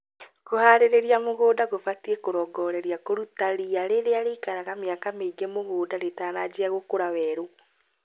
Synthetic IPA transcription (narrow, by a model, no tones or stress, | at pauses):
kohaɾeɾeɾiamoɣoːdaɣofatiekoɾɔːɡɔɾɛɾiakoɾutaɾiaɾeɾeaɾekaɾaɣameakameiɡemoɣoːdaɾetaːnad͡ʒeaɣokoɾawɛːɾo